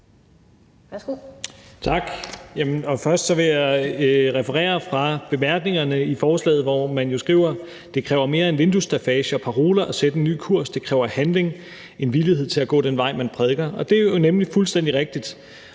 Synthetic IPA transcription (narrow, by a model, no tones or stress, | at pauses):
t͡sʰɑ̈ɡ̥jæmənɒ̽fɶɐsd̥sɒ̽ʋe̝jɑ | ʁɛfəʁɛ̰ːɐfʁɑ̈b̥e̝mæɐɡ̥ne̝ŋɐnəifɒːslɛ̰ːð̩ˠʋɒmænjo̝sɡ̥ʁḭːʊ̰ɐ | d̥e̝kʰʁɛːʊɐme̝ːɐe̝nʋe̝nd̥usd̥ʁifɛːɕəɒ̽pʰɑʁo̝ːlɐʔɒ̽sed̥əenːy̰ːkʰuɐ̰sd̥e̝kʰʁɛːʊɐhænle̝ŋ | ʔe̝nʋilihe̝ð̞̰ˠt͡sʰe̝læɡ̥ɔ̰̽ːd̥enʋɑ̈ɪ̰mænpʰʁɛð̞ˠɡ̥ɐʔɒ̽d̥e̝æɐjonemlifulsd̥end̥iʁeɡ̥̚d̥id̥